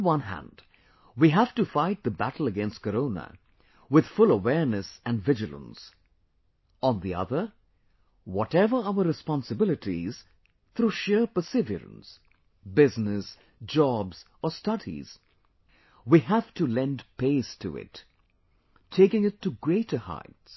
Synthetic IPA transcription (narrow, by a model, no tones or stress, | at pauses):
wʌ̃nɦæ̰̃nd̥ | wiɦæv̥tɨfaɪt̪̚ðəbætl̩ˠəɡɛ̃nst̚kʰəɾõʊnə̰ | wɪð̥fʊlˠəwɛɹnɨsɨ̃ndvɪd͡ʒɨlˠə̰̃ns | ə̃nðiʌ̰ðə˞ | wɔɾɛvə˞aʊə˞ɹɨspɑ̃nsɨbɪlˠɨtiz̥ | θʰɾuʃɪɹpəsɪvjə̰ɾə̰̃ns | bɪznɪs | d͡ʒɔbz̥ | əstʌɾḭz̥ | wihæv̥tulɛ̃ndpʰeɪstʰṵɪ̰t | tʰːeɪkɪ̃ŋɪtʰːɨɡɹeɪtə˞ha̰ɪts